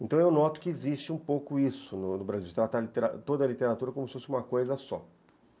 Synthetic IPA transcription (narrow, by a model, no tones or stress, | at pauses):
ẽt̪ɐ̃w̃ewnɔt̪ʊ̥kɪezist͡ʃɪũpowkʊisʊnʊnʊbɾaziwd͡ʒɪt̪ɾat̪aɾlit̪eɾa̰t̪od̪ɐlit̪eɾat̪uɾɐkõmʊsɪfosɪũmɐkojzɐsɔ